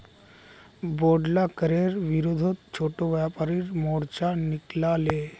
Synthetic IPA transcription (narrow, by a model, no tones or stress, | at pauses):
bɔɖlakəɾeɾʋiɾod̪ʱot̪t͡ʃʰoʈoʋjapaɾiɾmɔɽt͡ʃaniklale